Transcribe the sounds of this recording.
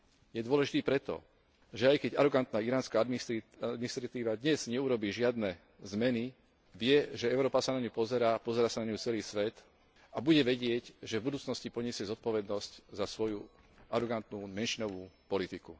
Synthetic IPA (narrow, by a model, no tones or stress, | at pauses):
jɛd̪ʊɔlɛʒit̪iːpɾɛt̪ɔ̰ | ʒɛajkɛɟa̰ɾɔɡant̪naːiɾaːnskaːd̪miad̪minist̪ɾat̪iːʋad̪ɲɛz̥ɲɛuɾɔbiːʒɪad̪nɛ | zmɛni | ʋɪɛʒɛɛʊɾɔːpasanaɲupɔzɛɾaːpɔzɛɾaːsanaɲut͡sɛliːsʋɛt̪ | abuɟɛʋɛɟɪɛɟʒɛvbud̪uːt͡snɔscipɔɲɪɛsɪɛzɔt̪̚pɔʋɛd̪nɔsczasʋɔjuaɾɔɡant̪nuːmɛnʃinɔʋuːpɔlit̪iku